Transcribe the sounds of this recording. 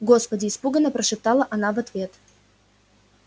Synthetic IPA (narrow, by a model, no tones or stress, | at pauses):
ɡospədʲɪːspuɡənːəpɾəʂɨp̚t̪ɑlˠəʔɐnavɐt̪vʲe̞t̪